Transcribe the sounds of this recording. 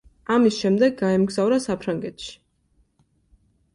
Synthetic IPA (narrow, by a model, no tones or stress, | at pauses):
amisʃɛmd̪ɛɡːaɛmɡzavɾasapʰɾaŋɡɛt̪ʃi̥